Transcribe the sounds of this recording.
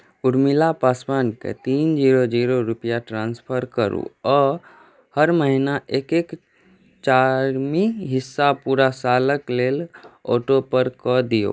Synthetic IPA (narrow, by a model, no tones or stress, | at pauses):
uɾmilapaspankḛt̪ind͡ʒiɾod͡ʒiɾoɾupijaʈɾãnspʰəɾkəɾṵɔː | həɾməɦinaʔekek | t͡ʃaɾmiɦisːapuɾasaləklelɔ̰ʈopəɾkɔd̪ijo̰